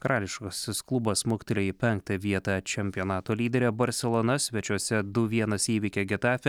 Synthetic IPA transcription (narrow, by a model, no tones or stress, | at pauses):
kɐɾɑːlʲɪʃkoːsʲɪsklˠʊbɐsmʊkʲɪt̪ʲelʲɛjɪpʲɛŋk̚t̪ɑʋʲiɛt̪ɑt͡ʃʲɛmʲpʲijoːnɑːt̪oːlʲiːd̪ʲɛɾʲɛbɐɾʲsʲɛlˠɔnɐsʲʋʲɛt͡ʃʲuɔsʲɛd̪ʊʋʲiɛnɐsiːʋʲikʲɛɡʲɪt̪ɑːfʲɛ